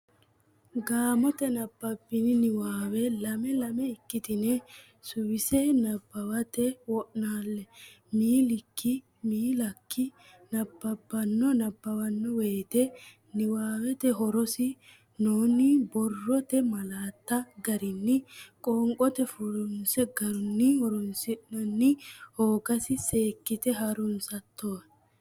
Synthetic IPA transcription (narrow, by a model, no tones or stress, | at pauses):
ɡaːmɔt̪ɛnɐbːɐbːɪnɪnɪwaːwɛlɐmɛlɐmɛɪkːɪt̪ɪnɛ | sʊwɪsɛnɐbːɐwɐt̪ɛwɔʔnaːlːɛ | miːlɪkːɪ | miːlɐkːɪ | nɐbːɐbːɐnːɔnɐbːɐwɐnːɔwe̞ːt̪ɛ | nɪwaːwɛt̪ɛɦɔɾɔsɪ | noːnɪbɔrːɔt̪ɛmɐlaːt̪ːɐɡɐɾɪnːɪkʼoːŋkʼɔt̪ɛfuɾʊnsɛɡɐɾʊnːɪhɔɾɔnsɪʔnɐnːɪhoːɡɐsɪseːkːɪt̪ɛɦɐɾʊnsɐt̪ʰːo